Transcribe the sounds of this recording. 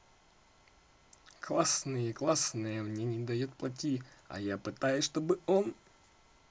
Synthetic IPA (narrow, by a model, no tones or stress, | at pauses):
klˠasnɨjəiklˠasnɨjəmnʲenʲɪd̪ɐjot̪̚plˠɐt̬ʲiɐ̰japɨt̪ajʊsʂt̪o̞bɨon